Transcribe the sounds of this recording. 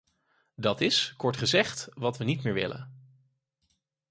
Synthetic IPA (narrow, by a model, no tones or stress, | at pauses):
dɑtɪskɔɹtχəzɛχtʋɑtʋənit̚mɪːɹʋɪ̰lə̰n